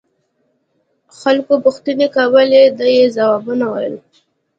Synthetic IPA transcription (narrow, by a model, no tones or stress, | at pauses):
xalkopʊxt̪anekawəled̪əjezawabunawa̰jəl